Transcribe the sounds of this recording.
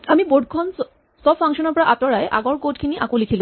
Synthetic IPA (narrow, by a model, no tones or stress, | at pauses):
amiboɖʱkʰɔn | sɔbfʰaŋʃɔnɔɹpɔɹaʔatɔɹajʔa̰ɡɔɹkotkʰiniʔa̰kolikʰilũ